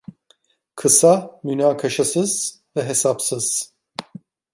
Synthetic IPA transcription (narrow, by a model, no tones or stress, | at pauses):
kʰɯsamynaːkʰaʃasɯz̥vɛɦesapsɯz̥